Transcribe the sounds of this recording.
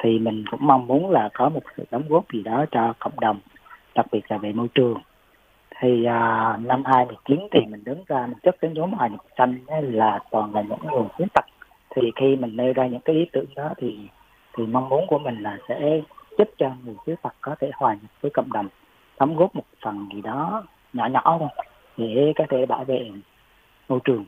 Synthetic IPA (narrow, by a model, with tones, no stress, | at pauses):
t̪ʰi˨˩mï˨˩ŋ̟kʊ̰˧˥ŋ͡mma˧wŋ͡mmu˨˦ənlaː˨˩kɔ˨˦mo˨˩t̚sɨ̰˧˨ɗə˨˦wŋ͡mɣu˦˥əp̚zi˨˩ɗɔ˨˦t͡ɕɔ˧kə̰˧˨wŋ͡mɗə˨˩wŋ͡m | ɗa˨˩k̚ɓi˧˩ət̚laː˨˩ve˨˩mo˧jt͡ɕɨ˨˩əŋ | t̪ʰi˨˩ʔəː˨˩na˧mhaː˧jmɨ˨˩t͡ɕi˨˦ənt̪ʰi˨˩mï˨˩ŋ̟ɗɨ˨˦ŋzaː˧mi˨˩ŋ̟t͡ɕɨ˦˥k̚ɗe˨˦nzo˨˦mʔaː˨˩jɲə˨˩sa˧jŋ̟˨˧laː˨˩t̪ɔ˨˩nlaː˨˩ɲɨ̰˧˥ŋ˧ŋu˨˩əxi˨˦nt̪a˨˩k̚ | t̪ʰi˨˩xi˧mï˨˩ŋ̟ne˧wzaː˧ɲɨ̰˧˥ŋkaː˨˦jʔi˨˦t̪ɨ̰˧˨əŋɗɔ˨˦t̪ʰi˨˩ | t̪ʰi˨˩ma˧wŋ͡mmu˨˦ənku˧˩əmï˨˩ŋ̟laː˨˩sɛ̰˧˥t͡ɕə˦˥p̚t͡ɕɔ˧ŋu˨˩sɨ˨˦t̪a˨˩k̚kɔ˨˦t̪ʰe˧˩hwaː˨˩ɲə˨˩p̚vəː˨˦jkə̰˧˨wŋ͡mɗə˨˩wŋ͡m | t̪a˨˦mɣo˦˥p̚mo˨˩t̚fa˨˩ŋzi˨˩ɗɔ˨˦ | ɲɔ̰˧˩ɲɔ̰˧˨˧ | ɗe˧˩kɔ˨˦t̪ʰe˧˩ɓaː˧˩wvḛ˧˨ | mo˧jt͡ɕɨ˨˩əŋ